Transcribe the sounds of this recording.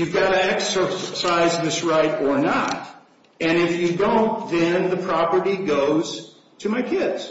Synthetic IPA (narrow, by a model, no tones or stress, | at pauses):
jʉvɡɑɾɨɛksə˞saɪzðɪsɹaɪɾə˞nə̰t̚ | ɨ̃nɪfjɨdõʊ̃nðɨ̃nðɨpʰɹ̥ɑpə˞ɾiɡoʊz̥ | tʰɨmaɪkʰɪdz̥